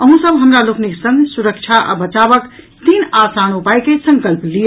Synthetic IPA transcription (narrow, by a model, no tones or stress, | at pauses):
əɦũsəbɦəmɾalokniksə̃ŋɡsuɾəkt͡ʃʰaʔa̰bət͡ʃabək | t̪inasañupajkesə̃ŋkəlpliə